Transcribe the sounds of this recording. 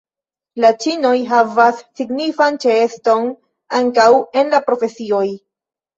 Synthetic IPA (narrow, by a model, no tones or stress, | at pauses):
lat͡ʃino̞jɦavasːiɡnifant͡ʃe̞esto̞n | aŋkawe̞nlapɾo̞fe̞sio̞j